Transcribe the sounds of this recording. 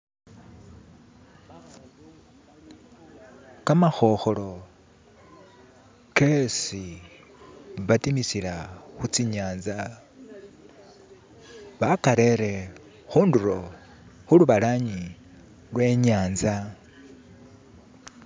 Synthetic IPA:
kamaxo̞xolo̞ | ke̞si | βatimisilaxut͡siɲaːnza | βakaɾe̞ɾe̞ | xuːnduɾo̞ | xuluβalaɲi | lwe̞ɲaːnza

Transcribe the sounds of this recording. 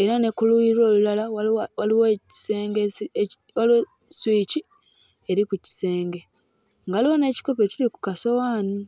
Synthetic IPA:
e̞ɾane̞kuluiɾwoːlulalaawaliwoi̥seːŋɡe | olu | swiːci | eɾikuci̥se̞ːŋɡe̞ | ŋɡaliwone̞ːci̥kope̞ciɾiku̥kaso̞waːni

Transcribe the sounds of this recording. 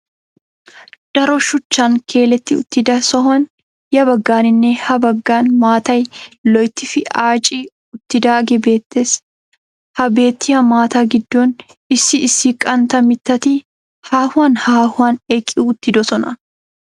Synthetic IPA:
d̪̥ɐɾɔʃʊt͡ʃːaːŋkʰe̞ːlɛt̪ːɪʊ̰t̪ːɪd̪ɐsɔɦɐn | jɐbɐɡːaːnɪnːehɐbɐɡːaːnmaːt̪ɐjlɔjt̪ːɪfɪaːt͡ʃʼiː | ʊt̪ːɪd̪aːɡɛbe̞ːt̪ːes | hɐbe̞ːt̪ːɪhɐmaːt̪aːɡɪd̪ːoːn | ɪsːɪɪsːikʼɐnt̪ɐmɪt̪ːɐt̪ɪ | haːhʊaːnhaːhʊaːnɛkʼɪʔuːʊt̪ːɪd̪ɔsɔnɐ

